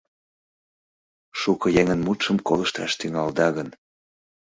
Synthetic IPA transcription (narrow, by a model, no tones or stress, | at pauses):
ʃukɤjeŋə̆nmut̪ʃəmkoləʃt̪ɑ̰ʃt̪yŋɑld̪ɑɣən